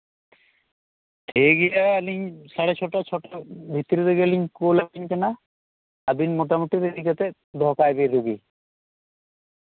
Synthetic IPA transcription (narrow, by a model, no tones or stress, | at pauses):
t̪ʰeɡijaːliɲsaɽet͡ʃʰɔʈat͡ʃʰɔʈabʱit̪ːiɾid̪eɡeliɲkolabiɲkɛna | abinmoʈamuʈ̪iɾeɾikat̪e | d̪ʱɔkajbeɾuɡi